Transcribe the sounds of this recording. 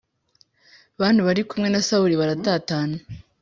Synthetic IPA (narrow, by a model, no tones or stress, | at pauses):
βaːndiβaɾikumŋe̞nasauɾiβaɾataːtaːna